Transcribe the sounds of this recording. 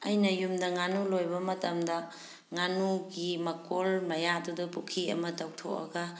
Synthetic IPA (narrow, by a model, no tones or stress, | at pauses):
ɐjnɐjumdɐŋanulojbɐmɐtɐmdɐ | ŋanuɡimɐkolmɐjadudupukʰiɐ̰mɐtawtʰokɐ̰ɡɐ